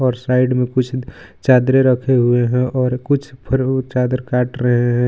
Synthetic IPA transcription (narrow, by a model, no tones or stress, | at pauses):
ɔːɾsaːɪɖmẽkʊt͡ʃʰ | t͡ʃaːd̪ɾeɾəkʰeɦueɦɛ̃ʔɔːɾkʊt͡ʃʰpʰəɾt͡ʃaːd̪ɾkaːʈɾəɦeɦɛ̃